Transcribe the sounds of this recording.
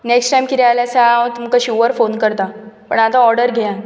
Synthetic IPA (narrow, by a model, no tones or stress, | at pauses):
neksʈajmkiɾialasat̪um̤kaɕuʋəɾfonkəɾt̪apə̰ɳat̪aɔɾɖəɾɡʱeã